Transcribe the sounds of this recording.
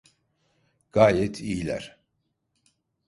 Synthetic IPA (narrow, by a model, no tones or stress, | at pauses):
ɡ̥aːjɛt̪ʰijlʲæ̰ɾ̥